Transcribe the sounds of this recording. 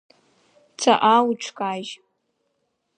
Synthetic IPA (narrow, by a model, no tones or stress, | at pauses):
t͡sʰaʔawuʈ͡ʂʷʰkʼaʒ